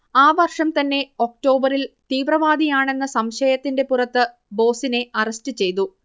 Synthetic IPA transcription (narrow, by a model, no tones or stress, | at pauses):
aːʋɐrʂɐmt̪ɐnːe̞o̞k̚ʈo̞ːbɐɾilt̪iːʋrɐʋaːd̪ijaːɳe̞nːɐsɐmɕɐjɐt̪ːinde̞purɐt̪ːɨ | bo̞ːsine̞ɐrɐstɨt͡ɕe̞jt̪u